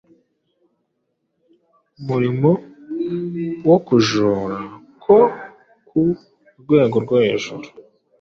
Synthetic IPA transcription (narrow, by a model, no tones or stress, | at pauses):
umuɾimo | wokuʒoːɾa | kʰo | kʰu | ɾɡwe̞ːɡoɾɡwoheʒuɾu̥